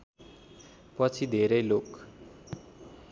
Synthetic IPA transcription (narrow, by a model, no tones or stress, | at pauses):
pʌt͡sʰid̪ʱeɾʌjlok